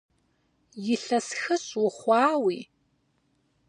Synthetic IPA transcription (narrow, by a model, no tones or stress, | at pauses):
jɪɬɐsxɨɕʼwʊχʷɑːwiː